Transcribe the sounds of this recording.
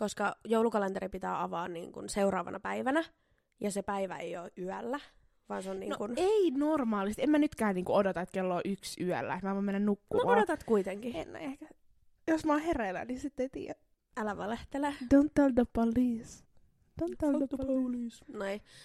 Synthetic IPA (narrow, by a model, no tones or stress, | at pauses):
koskɑjoulukɑlent̪eɾipit̪æ̰ːɑʋɑːnnḭːŋkṵnseuɾɑːʋɑ̰nʔɑ̰pæiʋænæ | jɑsepæiʋæ̰ḛioːʔyælːæ | ʋɑ̰ːnseonnḭːnoŋkuneinormɑːlist̪emænyt̪kæːnniːŋkuodot̪ɑet̪kelːoːʔyksyæ̰lːæ̰et̪mæʋomenːænnukːumodot̪ɑt̪kuit̪eŋkiḛn̰ːehkæ | josmɑhereːlæ̰nisit̪ːeit̪ḭːjæ | ælæʋɑleht̪eled̥ont̪tːeld̪əpoliːs | d̥õnelː | snoi